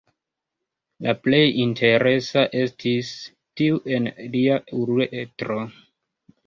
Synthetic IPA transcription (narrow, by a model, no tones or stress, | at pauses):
laple̞jintʰe̞ɾe̞saʔe̞stʰis | tiuʔe̞nliauɾueʔetɾo